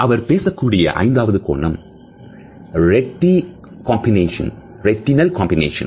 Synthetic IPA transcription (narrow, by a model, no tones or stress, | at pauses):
ʔɐʋɐɾpeːsɐkːuːɽɪjɐ̰ʔɐ̰ɪnd̪aːʋɐðɯko̰ːɳːɐm | ɾɛʈːi | kaːmbɪneːʂɐ̰̃n | ɾɛʈːɪnɐlkaːmbɪnḛːʂɐ̰̃n